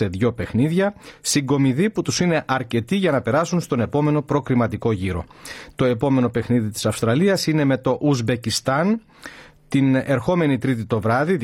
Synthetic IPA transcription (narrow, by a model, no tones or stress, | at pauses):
e̞ðʝo̞pe̞xniðʝɐsiŋɡo̞miðiput̪usine̞ʔɐɾce̞t̪iʝɐnɐpe̞ɾɐsunst̪o̞ne̞po̞me̞no̞pɾo̞kɾimɐt̪iko̞ʝiɾo̞̰t̪o̞e̞po̞me̞no̞pe̞xniðit̪i̥sɐfst̪ɾɐliɐsine̞me̞t̪o̞ʔuzbe̞cist̪ɐn | t̪ine̞ɾxo̞me̞nit̪ɾit̪̬it̪o̞vɾɐði